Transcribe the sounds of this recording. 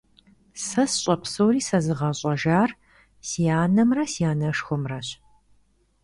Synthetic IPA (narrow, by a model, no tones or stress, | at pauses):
sɐsɕʼɐpʰsowriːsɐzɨʁɐɕʼɐʒaːr | sijaːnɐmrɐsiaːnɐʂxʷɔmrɐɕ